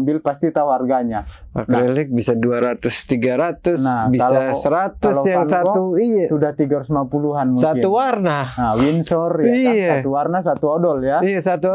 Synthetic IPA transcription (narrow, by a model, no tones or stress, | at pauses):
mbɪlpast̪it̪awarɡaɲa | a̰kɾelɪk̚bisaduaɾat̪ʊst̪iɡaɾat̪ʊnabikalaasəɾat̪ualojaŋnsatɔuijasudaht̪iɡaɾusmapuluɦanmusat̪uwarnanawinsɔrjaiasat̪uwarnas̬at̪uodɔljaijasat̪u